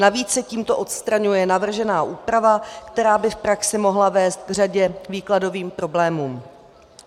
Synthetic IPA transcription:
naviːt͡ssɛciːmt̪o̞ʔo̞t̪st̪ɾaɲujɛnavr̩ʒɛnaːʔuːpɾavakt̪ɛɾaːbɪfpɾaksɪmo̞ɦlavɛːst̪̚ɡr̝aɟɛviːklado̞viːmpɾo̞blɛːmuːm

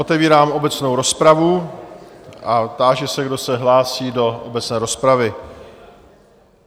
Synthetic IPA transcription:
ot̪ɛviːɾaːmo̞bɛt͡sno̞wɾo̞spɾavu | ʔat̪aːʒɛsɛɡdo̞sɛɦlaːsiːdo̞ʔobɛt͡snɛːɾo̞spɾavɪ

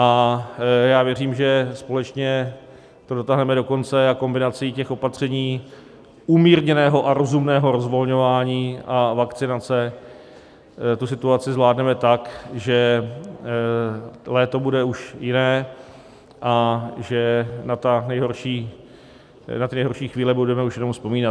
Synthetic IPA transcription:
ʔa | jaːvjɛr̝iːmʒɛspo̞lɛt͡ʃɲɛ | t̪o̞do̞t̪aɦnɛmɛdo̞ko̞nt͡sɛako̞mbɪnat͡sɪcɛxʔo̞pat̪r̝̥ɛɲiː | ʔuːmiːɾɲɛnɛːɦo̞ʔaɾo̞zumnɛːɦo̞ɾo̞zvo̞lɲo̞vaːɲiːʔavakt͡sɪnat͡sɛ | t̪usɪt̪uat͡sɪzvlaːdnɛmɛt̪akʒɛ | lɛːt̪o̞budɛuʃjɪnɛː | ʔaʒɛnat̪anɛjɦo̞rʃiː | nat̪ɪnɛjɦorʃiːxviːlɛbudɛmɛuʃjɛno̞mfspo̞miːna

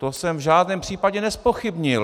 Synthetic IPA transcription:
t̪osɛmvʒaːdnɛːmpr̥iːpaɟɛnɛspo̞xɪbɲɪl

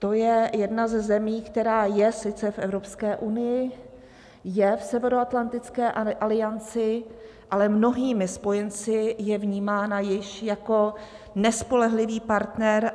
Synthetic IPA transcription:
t̪o̞jɛjɛdnazɛzɛmiːkt̪ɛɾaːjɛsɪt͡sɛfʔɛvɾo̞pskɛːʔunɪjɪ | jɛfsɛvɛɾoat̪lant̪ɪt͡skɛːʔʔalɪjant͡sɪ | ʔalɛmno̞ɦiːmɪspo̞jɛnt͡sɪjɛvɲiːmaːnajɪʃjako̞ | nɛspo̞lɛɦlɪviːpaɾt̪nɛɾ

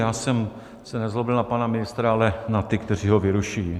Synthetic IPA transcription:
jaːsɛm | sɛnɛzɦlobɪlnapanamɪnɪst̪ɾaalɛnat̪ɪkt̪ɛriːɦovɪɾuʃii

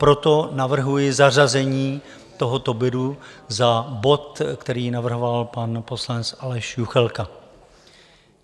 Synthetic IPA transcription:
pɾo̞t̪o̞navr̩ɦujɪzar̝azɛɲiː | t̪o̞ɦo̞t̪o̞bɪduzabo̞t̪kt̪ɛɾiːnavr̩ɦo̞valpanpo̞slanɛt͡sʔalɛʃjuxɛlka

